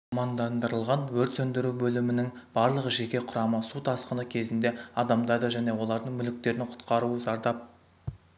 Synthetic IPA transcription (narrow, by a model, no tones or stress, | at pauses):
ɑmɑnd̪ɑnd̪əɾəlˠʁɑnwɵɾt̪sɵnd̪ɪɾubɵlɪmɪnɪŋb̥ɑɾlˠəʁəʒe̞kʲe̞qʰʊɾɑməsut̪ʰɑsqənəkʲʰe̞zɪnd̪e̞ɑd̪ɑmd̪ɑd̪əʒæne̞wo̞lˠɑɾd̪əɴŋmʏlɪk̚t̪e̞ɾɪnqʰʊ̥t̪qɑɾuəzɑɾd̪ɑp̚